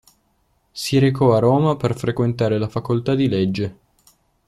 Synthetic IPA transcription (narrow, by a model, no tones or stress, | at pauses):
siɾekɔaroːmaperfɾekwent̪aːɾelafakolt̪ad̪iled͡ʒːe